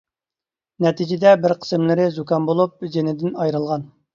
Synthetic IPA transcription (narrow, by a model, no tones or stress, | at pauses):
nɛt̪ʰid͡ʒɪd̪ɛbɪɾqʰə̥smlɪɾɪzukɑnbolˠup̚d͡ʒenɪd̪ɪnɑjɾɨlˠʁɑn